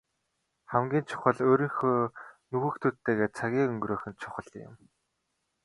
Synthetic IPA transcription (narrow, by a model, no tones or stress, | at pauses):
χæmɡʲiːnt͡ɕʰʊ̥χə̆ɮoːɾĭːŋxoːnuɣɘ̆kt̪ʰuːt̪ʰːeːɣeːt͡sʰaɣʲiːɵŋɡɾoːxʲɘ̆nt͡ɕʰʊ̥χə̆ɮɪ̰̆m